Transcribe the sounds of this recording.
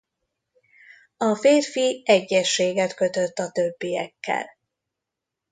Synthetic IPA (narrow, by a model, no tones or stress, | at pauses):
ɒfeːrfiɛɟːɛʃːeːɡɛt̪kø̞t̪øt̪ːɒt̪øbːijɛkʰːɛ̰l